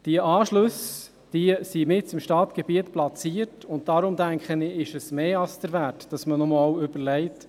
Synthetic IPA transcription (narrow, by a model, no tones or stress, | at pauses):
d̥iəʔɑːʃlɵs | d̥isimɪtt͡sɪmʃtɑːt̪ɡ̥ɛbiətplɑt͡siːətʊntd̥ɑɾʊmdæŋkχənɪɪʃəsmeːɑlsd̥̪əɾvæːtd̥ɑsmənɔmɑwʏb̥əɾlɛɪt